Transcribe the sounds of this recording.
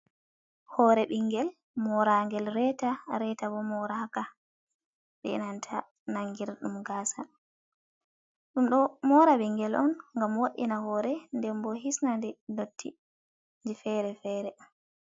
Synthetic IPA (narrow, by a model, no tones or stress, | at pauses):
hɔɾɛɓiŋːɡɛl | mɔɾaŋɡɛlɾɛtaɾɛtabɔmɔɾahaka | ɓɛɛ̰nantʰa | naŋɡiɾɗumɡaːsa | ɗumɗɔmɔɾaɓiŋɡɛlɔnŋɡamwaɗinahɔɾɛndɛmbɔɦisnandɛdotʰːḭ | nd͡ʒifɛɾɛfɛːɾɛm